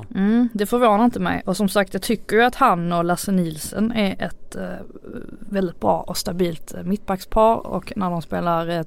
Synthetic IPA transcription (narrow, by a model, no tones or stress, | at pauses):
m̩ːd̪ɛfœɾvoːnaɾɪnt̪əmɛ̰jɔsɔmsak̚t̪jɑːt̪ʰʏkːəɾjɵat̪hanɔlasɛniːlsənæɾʔɛt̪ | vɛld̪ɪt̪̚bɾɑ̰ːʔɔst̪abiːlt̪mɪt̪̚ːbakspʰɑːɾɔ̰knæɖɔmspeːlaɾɛ